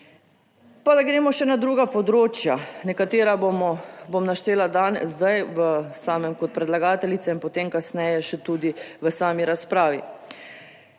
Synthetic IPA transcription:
pad̪aɡɾeːmɔʃɛnad̪ɾuːɡapɔd̪ɾoːt͡ʃjanɛkat̪eːɾamɔbomnaʃt̪eːlad̪aːnzzd̪ajʋəsaːmɛmkɔt̪̚pɾɛd̪laɡaːt̪ɛlit̪sɛinpot̪emkasnɛjɛʃɛt̪uːd̪iʋəsaːmiɾaspɾaːʋḭ

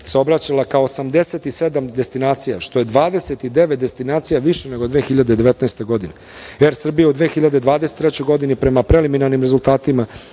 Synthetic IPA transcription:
seo̞bɾat͡ɕalakaoːsamd̪e̞set̪ise̞d̪amd̪est̪inaːt̪sijaʃt̪o̞je̞d̪ʋaːd̪e̞set̪id̪e̞ʋet̪̚d̪e̞st̪inaːt̪sijaʋiʃene̞ɡod̪ʋeːxiʎad̪ed̪e̞ʋet̪naest̪e̞ɡo̞d̪ine | eɾsr̩bijaud̪ʋeːxiʎad̪ed̪ʋaːd̪ese̥t̪ːɾet͡ɕo̞jɡo̞d̪inipɾe̞mapɾe̞liminaɾnimɾe̞zulˠt̪aːt̪ima

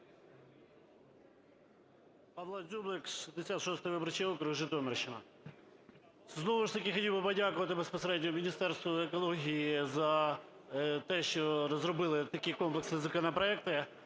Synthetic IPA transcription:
pɑʋlˠɐd̪zʲublˠɪksʃizd̪esʲat̪ʃɔst̪ɔjʋɪbɾt͡ʃɪɔkɾʊʒɪt̪ɔmerʃɪnɐ | znɔʋʊʃt̪ɐkʲɪxɔtʲilwbɪpɔdʲakʊʋɐt̪ɪbespɔseɾɛdʲnʲɔmʲinʲist̪ɛrst̪ʋɔekɔlˠɔɦʲijizɐ | t̪ɛʃt͡ʃɔrɔzrɔbɪlˠɪt̪ɐkɪjkɔmplˠeksizɐkɔnɐpɾɔɛk̚t̪ɪ

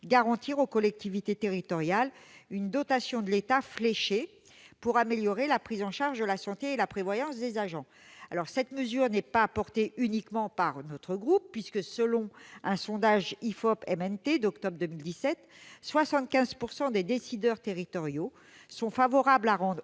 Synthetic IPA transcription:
ɡaʁɑ̃t̪iʁokɔlɛk̚t̪ivit̪et̪eʁit̪ɔʁjalynd̪ɔt̪asjɔ̃d̪əlet̪afleʃe | puʁameljɔʁelapχizɑ̃ʃaʁʒd̪əlasɑ̃t̪eːlapχevwajɑ̃sd̪ezaʒɑ̃ | alɔʁsɛt̪məzyʁnɛpaːpɔʁt̪eʔynikmɑ̃paʁnɔt̪χəɡʁupːɥiskəsəlɔ̃ɛ̃sɔ̃d̪aʒifɔpɛmɛnt̪ed̪ɔkt̪ɔbʁd̪əmild̪isɛt̪ | swasɑ̃t̪̚kʲɛ̃zpuʁsɑ̃d̪ed̪esid̪œʁt̪eʁit̪ɔʁjo | sɔ̃favɔʁablaʁɑ̃d̪ʁ

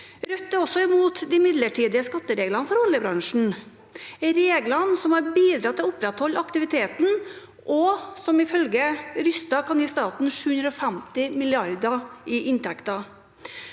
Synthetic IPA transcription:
ɾœt̪ːəɔsɔɪmuːt̪d̪ɪmɪd̪ləʈʰiːd̪ɪəskɑt̪ːəɾeːɡlɑnəfɔɾɔlːjəbɾɑŋʂɳ̩ | ɾeːɡlɑnsɔmhɑɾbiːd̪ɾɑt̪ʰːɪlɔʊpɾɛt̪hɔlːɑkt̪ɪʋɪt̪ʰeːt̪n̩ | ʔɔsɔmɪfœlɡəɾʏst̪ɑkʰɑnjiːst̪ɑːt̪n̩ʂʉːhʉnd̪ɾɔfæmt̪ɪmɪlɪɑɾd̪əɪʔɪnt̪ʰɛkt̪ɑ

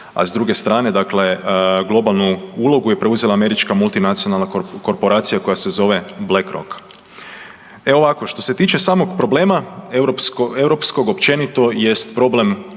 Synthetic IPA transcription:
a̰zd̪ɾuɡe̞st̪ɾaːne̞d̪akle̞ɡlˠo̞balˠnuulˠo̞ɡuje̞pɾe̞uzelaːme̞ɾit͡ʃkamulˠt̪inat̪sionalnako̞ɾpo̞ɾaːt̪sijako̞jase̞zo̞ʋe̞blekɾo̰k | eo̞ʋako̞ʃt̪o̞se̞t̪iːt͡ʃe̞saːmo̞ɡpɾo̞ble̞ːmaɾopsewɾo̞psko̞ɡo̞pt͡ʃe̞nit̪o̞je̞st̪pɾo̞ble̞m

